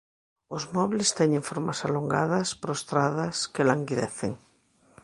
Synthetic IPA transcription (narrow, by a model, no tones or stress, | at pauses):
ozmɔβlest̪ɛɲẽɱfoɾmasaloŋɡa̰ð̞ɐspɾost̪ɾaðɐskelaŋɡiðɛθeŋ